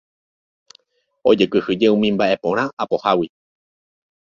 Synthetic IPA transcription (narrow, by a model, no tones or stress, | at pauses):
o̞d͡ʒekɨhɨd͡ʒe̞ũmĩmbaʔe̞põ̞ɾ̃ãʔapo̞hawi